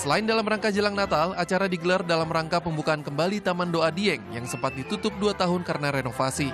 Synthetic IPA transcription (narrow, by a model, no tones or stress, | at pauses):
səlaɪndalamraŋkad͡ʒəlaŋnat̪alat͡ʃaɾadiɡəlardalamraŋkapəmbukaːnkəmbalit̪amandoadiɛŋjaŋsəmpat̪̚dit̪ut̪ʊp̚duat̪aɦʊnkaɾənaɾenofasi